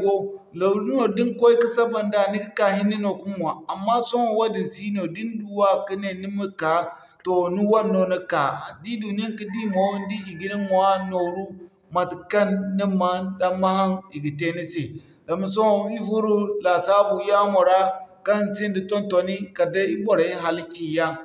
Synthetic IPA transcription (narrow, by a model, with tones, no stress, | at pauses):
ɡo˦ | lo˨lu˦no˨di˦ŋko˦i˦ki˦sa˦ba˨nda˦˨ni˦ki˦ka˨hi˦nːi˦no˨ku˦mu˨a˨a˨mːa˦so˦ŋo˨wa˦di˨n˨si˦no˨di˦n˦du˦wa˦ki˦ne˨ni˦mi˦ka˨ | to˨ni˦wa˦nːo˨ni˦ka˨di˦du˨ni˦a˦ŋki˦di˦mo˨˦n˦di˦i˨ɡi˦ni˦m˨a˦no˨ɾu˦ | ma˨ti˨ka˦nːi˦ma˨˦da˨ma˦ha˦ŋi˨ɡi˨te˦ni˦se˨ | da˨ma˨˦s̬o˦˨i˦vu˦ɾu˦la˨sa˦bu˨ja˦mo˨ɾa˦ka˦n˨si˦ndi˨to˦nto˨ni˦ka˨da˦i˦bo˨ɾa˨i˦ɦa˨lkʲi˨ja˦